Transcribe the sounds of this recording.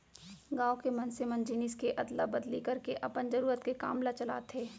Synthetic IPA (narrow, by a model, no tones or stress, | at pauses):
ɡaːokemɐnsemɐnd͡ʒinɪskeʔɐd̪labɐd̪likɐɾkeʔɐpənd͡ʒɐɾuːɾət̪keka̰ːmlat͡ʃɐla̰ːt̪ʰeː